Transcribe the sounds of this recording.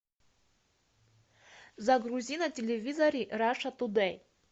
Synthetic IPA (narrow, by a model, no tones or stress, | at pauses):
zaɡruzʲinɐtʲelʲevʲizɐɾʲiraʂat̪ud̪ɛj